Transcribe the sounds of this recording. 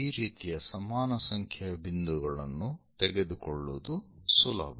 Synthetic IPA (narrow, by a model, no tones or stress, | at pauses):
iːɾiːt̪ijɐsɐmaːnɐsɐŋkʰjɐɐbind̪uɡɐɭɐnːut̪ɛɡed̪ukɔɭːud̪usulɐ̰bʱɐ